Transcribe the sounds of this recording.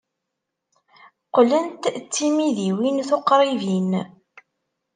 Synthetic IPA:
qlənt̪t͡sːimiðiwinθoqɾˤivin

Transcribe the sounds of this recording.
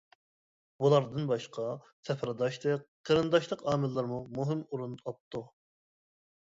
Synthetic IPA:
bulˠɑɾd̪ɨnbɑʃqʰɑ | sʰɛfɾɑd̪ɑʃt̪ɨqʰːəɾɨnd̪ɑʃlˠəqɑːmɪlːˠɨɾmumuɦɪmuɾunɑp̚t̪ʰːu

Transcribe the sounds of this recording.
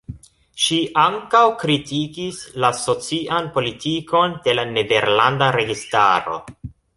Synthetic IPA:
ʃiʔaŋkawkɾitikislaso̞t͡siʔanpo̞litiko̞nde̞lane̞de̞ɾlandaɾe̞ɡista̰ɾo̞̰

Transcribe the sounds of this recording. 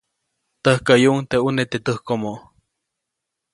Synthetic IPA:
t̪əhkəjuʔŋt̪eunet̪et̪əhkomoʔ

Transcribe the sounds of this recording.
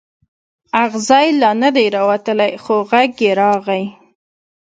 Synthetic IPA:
aɣzɑjlɑnad̪ajɾɑwat̪əlajxoɣaɡjeɾɑɣaj

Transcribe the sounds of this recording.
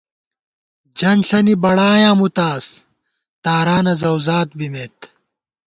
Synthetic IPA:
d͡ʑɐnɬɐnibɐɽaːjãːmut̪aːs | t̪aːɾaːnɐzɐwzaːt̪̚bimeːt̪

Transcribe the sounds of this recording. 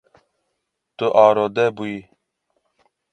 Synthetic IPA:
t̪oʔaːɾod̪ɛbui

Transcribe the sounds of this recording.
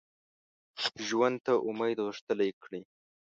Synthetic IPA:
ʒwand̪̚t̪aʔʊmajd̪ʁəʂt̪əlajkɽi

